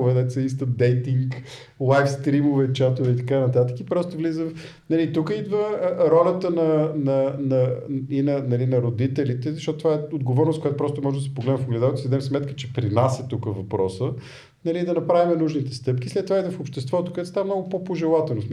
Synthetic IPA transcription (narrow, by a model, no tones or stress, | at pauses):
vɛd̪ɛt̪səist̪əd̪ɛjt̪iŋk | lˠajfst̪ɾimovɛt͡ʃat̪ovɛit̪ɐkanɐt̪at̪ə̥kipɾɔst̪ovlizə | nɐlit̪ukəid̪vəɾɔlʲət̪ənɐnɐnɐinɐnɐlinɐɾod̪it̪ɛlit̪ɛzɐʃtɔt̪ot̪ovaɛod̪ɡovɔɾnoskojat̪opɾɔst̪omɔʒɛd̪əsɛ̥poɡlɛd̪nə̃foɡlɛd̪avt̪d̪sd̪ɛmsmɛt̪kət͡ʃɛpɾinasɛt̪ukəvɐpɾɔsə | nɐlid̪ɐnɐpɾavimɛnuʒnit̪ɛst̪ɤp̚k̟islɛt̪ːovaid̪vəfopʃt̪ɛst̪vɔt̪okoɛt̪st̪amnɔɡʊpopoʒɛlˠat̪ɛlˠnosm